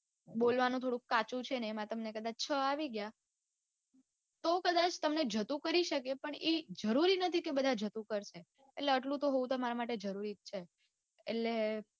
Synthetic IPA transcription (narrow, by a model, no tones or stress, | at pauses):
ɓolʋanũt̪ʰoɽũkat͡ʃũt͡ʃʰeneːmãt̪əmnekəd̪at͡ʃt͡ʃʰəaʋiɡja | t̪okəd̪at͡ʃt̪əmned͡ʒʱət̪ũkəɾiʃəkepəɳed͡ʒəɾuɾinət̪ʰikebəd̪ʱad͡ʒət̪ũkəɾʃʰe | eʈleəʈlũt̪oɦoũt̪əmaɾamaʈed͡ʒəɾuɾit͡ʃʰe | ḛle